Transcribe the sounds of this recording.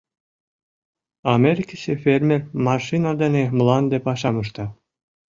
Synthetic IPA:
ɑmʲeɾʲikʲisefʲerʲmʲermɑʃinad̪ɑnʲemlˠɑnd̪epɑʃɑmɯʃt̪ɑ

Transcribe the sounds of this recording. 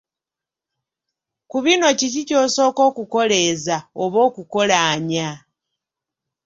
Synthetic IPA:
kuβino̞cicico̞ːso̞ːko̞ːkuko̞le̞zaoβo̞ːkuko̞laːɲa

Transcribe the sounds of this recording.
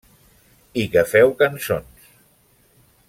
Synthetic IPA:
iɣafɛwkansons

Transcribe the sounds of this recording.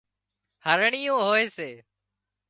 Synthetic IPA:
həɾɳɪjõːɦoːeːseː

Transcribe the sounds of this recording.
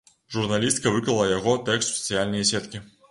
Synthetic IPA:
ʐurnalʲist̪kɐvɨklɐlˠɐjaɣɔt̪ɛkst̪sɐ̥t̪sɨjalʲnɐjɐsʲɛt̪kʲi

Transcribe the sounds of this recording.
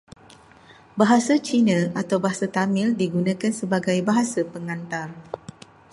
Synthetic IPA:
baɦasat͡ʃinãat̪awbaɦasat̪amɪ̃ldiɡunãkansəbaɡajbaɦasapəŋãnt̪ar

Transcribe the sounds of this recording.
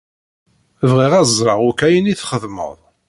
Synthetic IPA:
əvʁiʁæzˤɾˤɑʁʊkæjəniθχəðmə̰ðˤ

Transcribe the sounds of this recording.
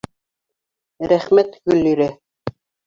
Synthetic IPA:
ɾæχmæt̪ɡɵlːiɾɘ

